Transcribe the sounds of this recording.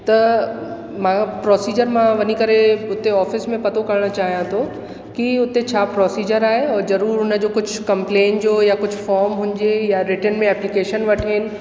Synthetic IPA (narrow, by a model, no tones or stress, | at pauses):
t̪ɐ | mãpɾɔːsiːd͡ʑəɾmãʋɐnikɐɾeʊt̪eɔːfɪsmẽpɐt̪okɐɾɽ̃ə̆t͡ɕaːɦijãt̪ʰo | kiʊt̪et͡ɕʰaːpɾɔːsiːd͡ʑəɾaːɦeɔːɾzɐɾuːɾʊnə̆d͡ʑoːkʊd͡ʑʱʊkɐ̃mplẽːnʈd͡ʑoːjakʊd͡ʑʱʊfɔːɾmɦʊ̃ɲd͡ʑejaɾɪʈənmẽɛːplɪkeːʃənʋɐʈʰeːnɪ̆